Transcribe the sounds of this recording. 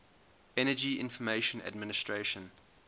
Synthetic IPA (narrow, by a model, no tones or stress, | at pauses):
ɛnəd͡ʒiɪ̰̃nfɔmeɪʃə̃na̰dmɪnɪstɹeʃə̃n